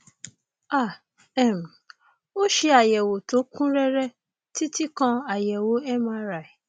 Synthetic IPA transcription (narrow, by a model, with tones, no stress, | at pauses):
a˦˨ | ɛ˨m˨ | o˦ʃe˧a˨jɛ˨wo˨˦to˨˦kũ˦ɾɛ˦ɾɛ˦ | ti˦ti˦kɔ̃˧a˨jɛ˨wo˨˦ɛ˦mã˧˦ɾa˨i˨